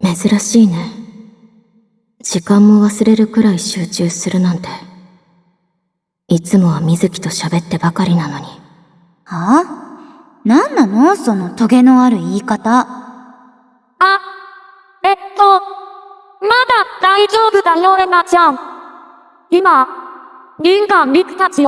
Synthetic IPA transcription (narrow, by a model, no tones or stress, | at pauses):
me̞zɨɾaɕiːne̞ | d͡ʑikãmːo̞βasɨɾe̞ɾɯ̟kɯ̟ɾaiɕɨːt͡ɕɨːsɨɾɯ̟nãnt̪e̞ | it͡sɨmo̞βamʲizɨkʲi̥t̪o̞ɕabe̞t̪ːe̞bakaɾʲinano̞ɲ̟i | ha | nãnːano̞so̞no̞t̪o̞ɡe̞no̞aɾɯ̟iːkat̪a | a | et̪ːo | mad̪ad̪̥aid͡ʑo̞ːbɯ̟d̪ajoemat͡ɕãŋ | ima | ɲʲĩŋɡãmɾʲikɨ̥t̪at͡ɕi